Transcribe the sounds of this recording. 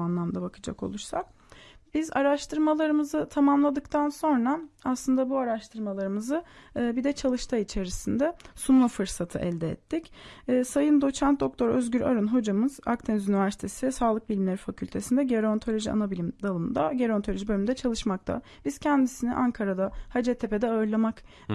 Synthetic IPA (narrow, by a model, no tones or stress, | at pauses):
anlˠamd̪abakʰɯd͡ʒa̰ko̞̰lˠuɾsa̰k̚ | biza̰ɾaʃt̪ʰɯɾmalˠaɾɯmɯzɯt̪ʰamamlˠad̪ɯkt̪ʰanso̞nɾaːslˠɯnd̪abuaɾaʃt̪ʰɯɾmalˠaɾɯmɯzɯːbid̪ɛt͡ʃʰalˠɯʃt̪ʰait͡ʃʰe̞ɾisind̪ɛsunmˠafɯɾsat̪ʰɯʔɛ̰lʲd̪ɛɛ̰t̪ʰːicːsajɯnd̪o̞t͡ʃʰan̚d̪o̞k̚t̪ʰo̞ɾø̰zɟʲyɾa̰ɾunɦo̞d͡ʒamɯza̰kt̪ʰenzynivæɾsi̥t̪ʰe̞sisaːlˠɯk̚bilʲimlʲeɾifacʰylʲt̪ʰe̞sind̪ɛɟeɾont̪ʰo̞lʲo̞ʒia̰nabilʲimd̪alˠɯmnd̪aɟeɾo̞nt̪ʰolʲo̞ʒibøymnd̪ɛt͡ʃʰalˠɯʃmak̚t̪ʰa̰ | b̥iz̥cʰɛnd̪isinḭʔaŋkʰaɾad̪ahad͡ʒɛt̪ʰːepʰe̞d̪ɛaɯɾlˠamak